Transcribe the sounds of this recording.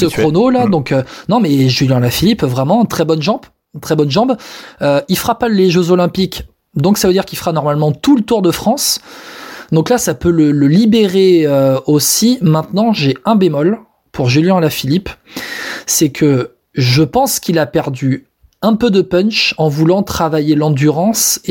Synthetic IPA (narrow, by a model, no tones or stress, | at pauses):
səkχonolad̪ɔ̃kønɔ̃mɛʒyljɛ̃lafilipvʁɛmɑ̃t̪χɛbɔnʒɑ̃b | t̪χɛbɔnʒɑ̃bøilfχapaleʒøzolɛ̃pik | d̪ɔ̃ksavød̪iʁkʲilfχanɔʁmalmɑ̃t̪ulət̪uʁd̪əfχɑ̃s | d̪ɔ̃klasapølələlibeʁeøosimɛ̃t̪nɑ̃ʒeɛ̃bemɔl | pʰuʁʒyljɛ̃alafilip | sɛkʰə | ʒəpɑ̃skʰʲilapɛʁd̪y | ɛ̃pød̪əpœnʃɑ̃vulɑ̃t̪χavajelɑ̃d̪yʁɑ̃s